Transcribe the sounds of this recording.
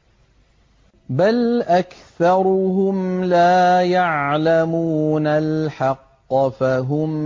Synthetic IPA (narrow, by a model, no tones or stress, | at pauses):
balʔakθɑɾˤʊɦʊmlaːjaʕlamuːnalħɑqːfaɦʊm